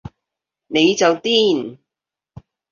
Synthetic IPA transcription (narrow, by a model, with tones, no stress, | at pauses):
ne˨˧jt͡sɐ˨wt̪iː˥n